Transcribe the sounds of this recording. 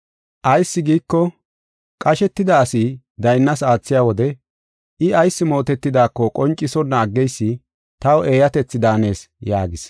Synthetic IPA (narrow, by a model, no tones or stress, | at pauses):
ʔɐjsːɪɡiːkːɔ | kʼɐʃɛt̪ːɪd̪ɐːsi | d̪ɐjnːɐsaːt͡sːɪjaːwɔd̪ɛ | ɪɐjsːɪmo̞ːt̪ɛt̪ːɪd̪aːkːɔkʼɔnt͡ʃʼːɪsɔnːɐːɡːɛjsːɪ | t̪ɐwe̞ːjɐt̪ɛt͡sːɪd̪aːne̞ːs | ja̰ːɡɪs